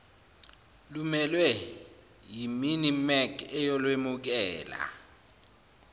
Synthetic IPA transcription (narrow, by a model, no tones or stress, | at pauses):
lumɛlwɛ | jiminimɛkɛjɔlwemuk̬ɛːla̰